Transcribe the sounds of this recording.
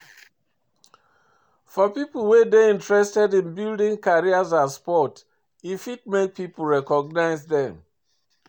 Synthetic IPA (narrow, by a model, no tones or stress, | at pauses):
fɔpipəlˠwedeĩntɹɛstɛdĩnbildĩŋkaɹiazaspɔt | ifit̚mek̚pipl̩ɹɛkɔɡ̚naɪzdɛ̃m